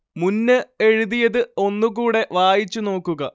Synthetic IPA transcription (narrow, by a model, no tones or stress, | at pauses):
munːɨe̞ɻuðijɐðɨo̞nːukuːɽe̞ʋaːjit͡ɕːuno̞ːkːuɣɐ